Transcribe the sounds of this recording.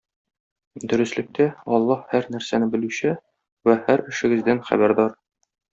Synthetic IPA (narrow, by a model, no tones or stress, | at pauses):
d̪ɵ̆ɾɘ̆slɘ̆k̚t̪æɒlˠːɑhhæɾnæɾsænɘbɘ̆lʉɕɘ | wæhæɾɘ̆ʃɘ̆ɡɘ̆zd̪ænχæ̰bæɾd̪ɒɾ